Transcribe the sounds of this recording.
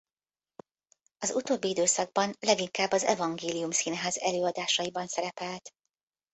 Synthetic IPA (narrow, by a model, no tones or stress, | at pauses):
ɒzut̪oːbːiid̪øːsɒɡ̚bɒnlɛɡiŋkaːbːɒzɛ̰vɒŋɡeːlijumsiːnɦaːzɛløːɒd̪aːʃɒjibɒnsɛɾɛpɛlt̪